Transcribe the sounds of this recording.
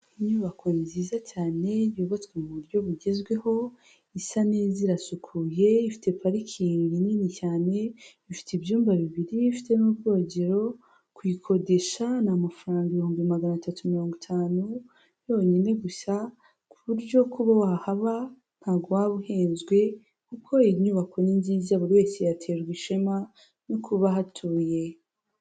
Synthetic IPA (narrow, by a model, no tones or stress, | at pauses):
iɲuːβakʰonziːzacaːne̞joːβot͡swe̞muβuɾjo̞βuɟe̞zɡwe̞ho̞ | isaneːziɾasukʰuje̞ifi̥tʰe̞paɾikʰiŋɡininicaːne̞ | ifi̥teibjuːmbaβiβiɾiifi̥te̞mubɡo̞ːɟe̞ɾo̞ | kwikʰo̞de̞ʃanamafaɾaːŋɡiβihoːmbiimaɡanatatʰumiɾo̞ːŋɡitʰaːnu | jo̞ːɲene̞ɡusa | kuβuɾɟo̞kʰuβawahaβa | n̥haːɡwaβuheːnzɡwe̞ | kukʰo̞iɲuβakʰo̞ninziːzaβuɾiwe̞ːsejatʰe̞ːɾɡwiʃe̞ma | nukʰuβaɦatʰuːje̞